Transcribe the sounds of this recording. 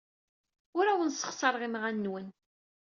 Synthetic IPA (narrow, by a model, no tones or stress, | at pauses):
ʊɾæwənsə̥χsˤɑɾˤʁimʁænːwən